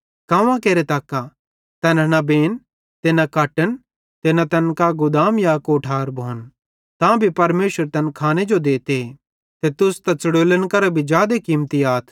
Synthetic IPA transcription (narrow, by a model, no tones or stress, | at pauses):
kɐ̃ʋãkeːɾet̪aːkːa | t̪ɐnnɐbeːn | t̪enɐkɐʈən | t̪enɐt̪ɐnkaɡʊd̪aːmjaːkoʈʰaːɾbʱoːn | t̪ãbʱipɐɾmeːʃəɾt̪ɐnkʰaːned͡ʒod̪eːt̪e | t̪et̪ʊst̪ɐt͡sɐɽoːlənkɐɾabʱid͡ʒjaːd̪ekiːmt̪iaːt̪ʰ